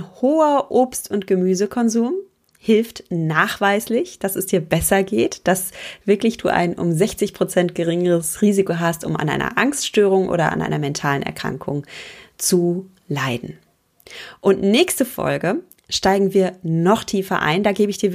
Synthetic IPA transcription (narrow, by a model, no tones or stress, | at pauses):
nhoːɐʔoːpstʊntɡ̥əmyːzəkʰɔnzuːm | hɪlftnaːχv̥aɪslɪçd̥asɛsd̥iːɐbɛsɐɡeːtd̥asv̥ɪɐklɪçd̥ṵːʔa̰ɪnʔʊ̰mzɛçt͡sɪçpʁ̥ot͡sɛntɡ̥əʁɪŋəʁəsʁiːzikoɦastʊ̰mʔa̰nʔa̰ɪnɐ̰ʔaŋstʃtøːʁ̞ʊŋʔo̰ːɾɐʔa̰nʔa̰ɪnɐmɛntʰaːlənʔɛ̰ɐkʁ̥a̰ŋkʰʊŋt͡su | laɪdn̩ | ʔʊntnɛːçstəfɔ̰lɡə | ʃtaɪɡŋ̩viːɐnɔχtʰiːfɐ̰ʔa̰ɪndaːɡeːbəɪçd̥iːɐ